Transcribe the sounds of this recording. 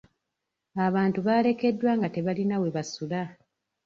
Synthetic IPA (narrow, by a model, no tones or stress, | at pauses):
aβaːntuβaːle̞ke̞dːwaːŋɡate̞βalinawe̞βasula